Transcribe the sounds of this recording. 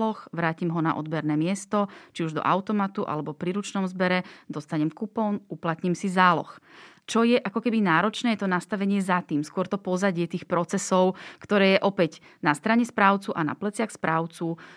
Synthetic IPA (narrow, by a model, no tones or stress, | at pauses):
lɔxʋɾaːcimɦɔna̰ʔɔ̰d̪̚bɛɾnɛːmɪɛst̪ɔt͡ʃiuʒd̪ɔ̰ʔa̰ʊt̪ɔmat̪uʔa̰lɛbɔpɾiɾut͡ʃnɔmzbɛɾɛd̪ɔst̪aɲɛmkupɔnuplat̪ɲiːmsizaːlɔ̰xt͡ʃɔjɛʔakɔkɛbinaːɾɔt͡ʃnɛːjɛt̪ɔnast̪aʋɛɲɪɛzat̪iːmskʊɔɾt̪ɔpɔzaɟɪɛt̪iːxpɾɔt͡sɛsɔʊkt̪ɔɾɛːjɛʔɔpɛɟ | nast̪ɾaɲɛspɾaːʊt͡suʔana̰plɛt͡sɪaxspɾaːʊt͡su